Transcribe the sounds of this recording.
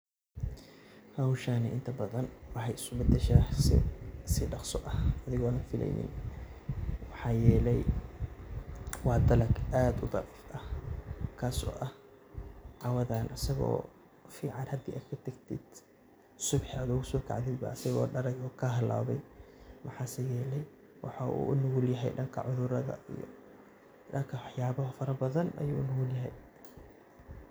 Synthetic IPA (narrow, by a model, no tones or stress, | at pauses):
hɐwʃaːnɪʔɪnt̪ʰɐbɐðɐnwɑħɑjɪsʊbɐd̪ɛʃaːsɪ̰sɪɖɑqsɔ̰ʔɐhʔɐðɪɣɔːnanfɪlɛ̰jnɪ̰n | wɑħɑːjɛːlɛj | wɑːd̪ɐlɐɡʔaːd̪ʊd̪ɑʕiːfɐhkʰaːsɔ̰ːʔɐh | ʕɑwɐðaːnʔɐsɐɣɔ̰ː | fiːʕɑnhɐd̪iːʔaːd̪kʰɐt̪ʰɐɡt̪ʰid̪̥ | sʊbħad̪ʊɣʊsɔːkʰa̰ʕd̪ɪd̪bɐ̰ːsɐɣɔːɖɐɾɐɣɔːkʰɐɦɐla̰ːβɛjmɑħɑːsɐjɛːlɛj | wɑħɑːʔṵːʔʊnʊɣʊljɐɦɛ̰jɖɐŋkʰɐ̰ʕʊðʊɾɐðɐ̰ḭjɔ̰ | ɖɐŋkʰɐwɑħjaːβɔɦfɐɾɐbɐðɐnʔɐ̰juːʊnʊɣʊljɐɦɛj